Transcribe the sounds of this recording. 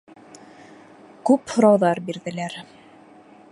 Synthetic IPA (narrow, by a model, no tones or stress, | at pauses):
kʉphŏɾɑwðɑɾbiɾðɘ̆læɾ